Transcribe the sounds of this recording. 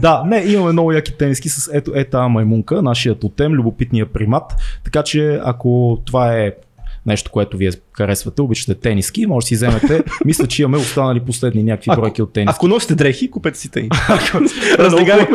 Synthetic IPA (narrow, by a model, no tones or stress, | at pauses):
d̪anɛimɐmɛnɔvʊjaki̥t̪ɛniskisəsɛt̪oʔɛt̪amɐjmuŋkənaʃijət̪ot̪ɛmlʲʊbopit̪nijəpɾimat̪ːɐ̥kat͡ʃɛɐ̰kot̪ovaɛ | nɛʃt̪o̥koɛt̪oviɛxɐɾɛsvɐt̪ɛobit͡ʃə̥t̪ɛt̪ɛnisk̟imɔʒsizɛmɛt̪ɛmislʲət͡ʃɛimɐmɛost̪anɐliposlɛd̪ninʲjakəkvibɾɔjk̟iot̪ːɛniɐskonɔsi̥t̪ɛd̪ɾɛxikupɛt̪ɛ̥si̥t̪ɛikɾəzliɡa